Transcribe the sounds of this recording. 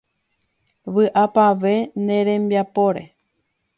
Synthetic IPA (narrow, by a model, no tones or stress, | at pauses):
ʋɨʔapaʋe̞nẽ̞ɾẽ̞mbjapo̞ɾe̞